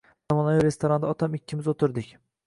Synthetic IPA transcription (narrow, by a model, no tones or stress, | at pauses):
zamɒnaviɾe̞st̪ʰoɾand̪aɒt̪ʰamɪkʲʰːɪmɪzot̪ʰɪɾd̪ɪkʲ